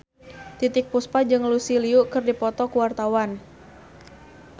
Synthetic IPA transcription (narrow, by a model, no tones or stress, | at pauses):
t̪it̪ɪk̚puspad͡ʒɨŋlusiliuʔkɨrdipɔt̪ɔkuwart̪awan